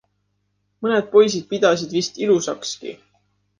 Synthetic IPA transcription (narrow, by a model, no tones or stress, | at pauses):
mɤne̞d̪̥̚po̞js̬id̪̥̚pid̪̥ɑs̬id̪̥vist̪ilusɑkskḭ